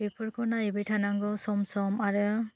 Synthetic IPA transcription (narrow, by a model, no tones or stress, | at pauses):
bepʰɔɾkʰɔnajɯbɯjtʰanaŋɡɔsɔmsɔmaɾɯ